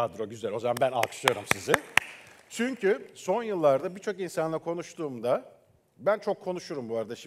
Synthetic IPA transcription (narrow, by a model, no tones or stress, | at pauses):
ad̪ɾo̞ɟyzælʲo̞zamanbæna̰lˠkʰɯ̥ʃɯjo̞ɾumsizɪ | t͡ʃʰyɲcʰyso̞njɯlˠːaɾd̪abit͡ʃʰo̞kinsanlˠaɾkʰo̞nuʃt̪ʰuːmd̪a | bænt͡ʃʰo̞kʰːo̞nuʃuɾumbuaɾd̪aʃ